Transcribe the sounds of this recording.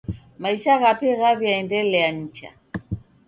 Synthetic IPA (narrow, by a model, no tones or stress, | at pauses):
maiʃaɣapɛɣavjaɛndɛlɛjaɲ̩t͡ʃa̰